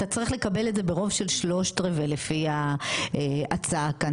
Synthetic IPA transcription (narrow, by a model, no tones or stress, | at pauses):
tat͡saʁiχlekabe̞ledze̞be̞ʁo̞vʃe̞lʃlo̞ʃtʁevelefiaeat͡saka